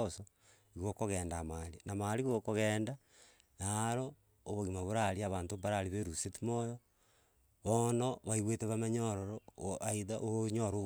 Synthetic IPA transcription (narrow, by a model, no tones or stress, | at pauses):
so | iɣokoɣeːndamalinamaliɣokoɣeːnda | naɾoː | βoɣimaβoɾaliaβaːntombaɾaliβeɾusetimojo | βonoβaiɣweteβamaɲoɾoɾoaiðaʔooɲoɾo